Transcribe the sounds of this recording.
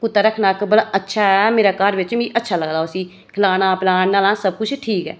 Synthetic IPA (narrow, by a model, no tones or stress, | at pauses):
kʊt̪ːaːɾəkʰnaːkəbəlʔətːʃʰaːɛmeːɾaːkəɾʋɪt͡ʃmĩːʔətːʃʰaːləɡd̪aːʊsĩː | kʰɪlaːnaːpɪlaːɳnaːlãːsəb̚kʊt͡ʃʰʈʰiːkɦɛ̰ː